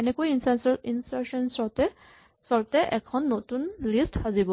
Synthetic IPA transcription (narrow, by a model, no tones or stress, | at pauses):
ɛnɛkuinsasɔinsasɔnsɔtɛ | sɔɹtɛʔɛkʰɔnːotunlistazibɔ